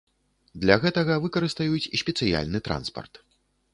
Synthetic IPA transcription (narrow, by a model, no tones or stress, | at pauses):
d̪lʲɐɣɛt̪ɐɣɐvɨkɐɾɨst̪ajut͡sʲisʲpʲɛt̪sɨja̰lʲnɨt̪ɾa̰nspɐ̰rt̪